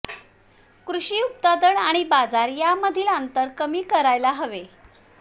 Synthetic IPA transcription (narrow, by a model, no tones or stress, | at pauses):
kɾuɕiːup̚t̪ad̪əɳaɽ̃ibad͡zaɾjaməd̪ʱiːlant̪əɾkəmiːkəɾajlaɦəʋe